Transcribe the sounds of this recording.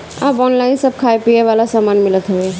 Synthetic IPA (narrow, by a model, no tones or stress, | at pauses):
abɔnlaɪnsəb̚kʰaepieʋalasamaːnmɪlət̪ɦɛbe